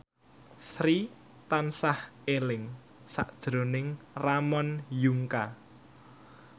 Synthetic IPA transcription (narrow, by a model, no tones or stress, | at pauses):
sɾi | t̪ansahelɪŋ | saʔd̥ʒ̥ɾo̤nɪŋramɔnjuŋka